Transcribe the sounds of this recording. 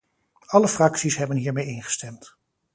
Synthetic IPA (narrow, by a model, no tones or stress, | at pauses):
ɑləfrɑksisɦɛbənɦiːɹmejɪnχə̥stɛmt